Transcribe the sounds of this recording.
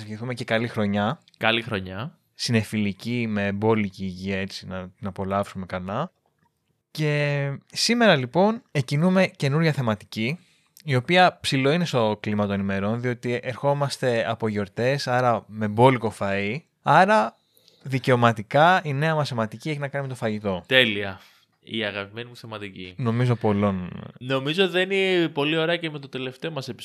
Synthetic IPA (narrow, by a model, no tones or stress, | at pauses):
zʝiθume̞ce̞kɐlixɾo̞ɲɐ | kɐlixɾo̞ɲɐ | sine̞filicime̞bo̞liciːʝiɐe̞t͡sinɐt̪inɐpo̞lɐfsume̞kɐlɐ | ce̞sime̞ɾɐlipo̞necinume̞ce̞nuɾʝɐθe̞mɐt̪i̥ci | io̞piɐpsilo̞ine̞st̪o̞klimɐt̪o̞nenime̞ɾo̞nðio̞t̪iʔeɾxo̞mɐst̪e̞ɐpo̞ʝo̞ɾt̪e̞sɐɾɐme̞bo̞liko̞fɐi | ɐɾɐ | ðice̞o̞mɐt̪ikɐine̞ɐmɐsemɐt̪icie̞çinɐkɐnime̞t̪ofɐʝit̪o̞t̪e̞liɐ | iɐɣɐpime̞nimuθemɐt̪icḭno̞mizo̞po̞lo̞nno̞mizoot̪iðeninepo̞lio̞ɾeɐcemet̪ot̪e̞le̞ft̪e̞omɐsepi̥